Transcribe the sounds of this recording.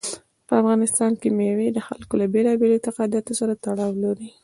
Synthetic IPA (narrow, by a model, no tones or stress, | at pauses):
pəafɣɑnɪst̪ɑnkemewed̪əxalkolabelɑbelot̪ɪqɑd̪jat̪osaɾat̪aɽɑwloɾi